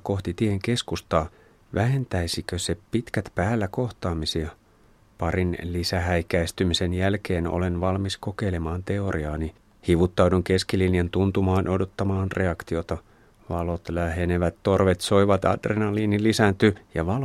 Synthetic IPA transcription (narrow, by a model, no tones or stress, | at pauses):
ko̞ht̪it̪ieŋk̟e̞skust̪ɑː | ʋʔæɦe̞nt̪æjsikøse̞pit̪kæt̪pæːlːæko̞ht̪ɑːmisiɑ | pɑɾinlisæɦæjkæist̪ymise̞njælk̟e̞ːno̰lenʋɑlmisko̞ke̞jle̞mɑːnt̪e̞o̞ɾʔiɑːni | hiʋut̪ːɑwduŋk̟e̞skiliniɑnt̪unt̪umɑːnʔo̞do̞t̪ːɑmɑːnre̞ɑkt̪io̞t̪ɑ | ʋɑlo̞t̪læɦeneʋæt̪tːo̞rʋe̞t̪so̞jʋɑt̪ɑ̰drenɑlinilːisænt̪yjɑʋɑl